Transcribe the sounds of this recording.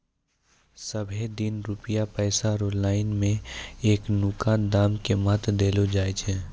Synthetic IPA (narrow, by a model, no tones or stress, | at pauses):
səbʱed̪ɪnɾʊpəjapɛːsaɾoːɖlaːɪnmẽeːknʊkaːnd̪aːmkemɐt̪d̪eːlod͡ʒaːet͡ʃʰɛː